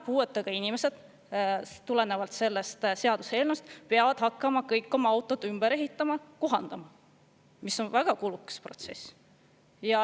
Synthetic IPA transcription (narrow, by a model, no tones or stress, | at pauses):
puːe̞t̪ːˑɑɡ̥ɑinʲimese̞d̪̥ | t̪ule̞ne̞vɑlt̪se̞lːe̞st̪se̞ɑd̪̥use̞ːlnust̪peɑvɑd̪̥hɑkːˑɑmɑkɤjkːˑo̞mɑɑwt̪ːˑo̞d̪̥ymb̥eɾe̞ɦit̪ˑːɑmɑkoɦɑnd̪̥ɑmɑ | misːo̞nvæɡ̥ɑkulukːˑɑ̥spro̞̰t̪se̞s | jɑ